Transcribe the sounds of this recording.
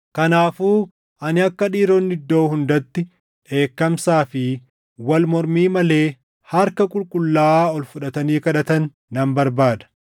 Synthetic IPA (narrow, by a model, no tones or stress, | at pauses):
kɐnaːfuː | ʔɐnɪɐkːɐᶑiːɾɔnːɪd̪ːo̞ːhʊnd̪ɐt̪ːɪ | e̞ːkːɐmsaːfɪ | wɐlmɔɾmiːmɐle̞ː | hɐɾkɐkʼʊlkʼʊlːaːɔlfʊᶑɐt̪ɐniːkɐᶑɐt̪ɐnː | ɐmbɐɾbaːd̪ɐ̥